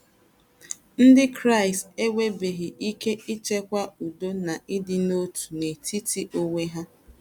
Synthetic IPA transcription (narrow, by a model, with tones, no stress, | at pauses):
n̩˦dɪ˦kɾa˦ɪ˨ste˦wʷe˦be˨ɦɪ˨ʔi˦ke˦i˦t͡ʃe˦kʷa˦u˨do˦na˨ʔɪ˦dɪ˦no˦tu̥˨ne˨tʰi˦ti˦ʔo˦ŋʷe˦ɦa˦